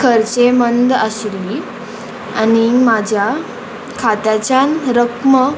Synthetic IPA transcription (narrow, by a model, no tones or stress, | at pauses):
kʰəɾt͡semənd̪aɕlːi | a̰nimad͡ʑʱja | kʰat̪at͡ɕanɾəkmə